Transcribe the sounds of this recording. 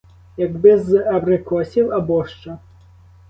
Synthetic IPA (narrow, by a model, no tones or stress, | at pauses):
jɐɡbɪzɐbrɨkɔsʲiwɐbɔʂt͡ʂɐ